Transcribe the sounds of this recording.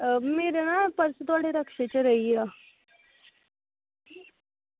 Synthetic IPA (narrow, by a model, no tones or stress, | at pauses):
meːɾenapəɾsət̪ʋaɽeɾəkʂet͡ɕəɾəɦia